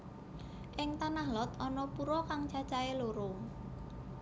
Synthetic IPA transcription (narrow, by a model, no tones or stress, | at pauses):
ʔɪŋt̪anahlɔt̪ɔnɔpuɾɔkaŋt͡ʃat͡ʃaeloɾo